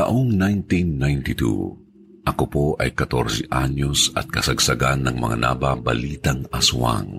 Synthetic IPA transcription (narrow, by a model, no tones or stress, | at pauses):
t̪ɐʔoŋnajnt̪inːajnt̪ɪt̪ṵ | ʔɐkopoʔɐjkɐt̪o̰ɾsɛʔaɲo̞sɐ̰t̪̚kɐsɐɡsɐɡanːɐŋmɐ̰ŋa̰na̰babɐliːt̪ɐŋɐsʊa̰ŋ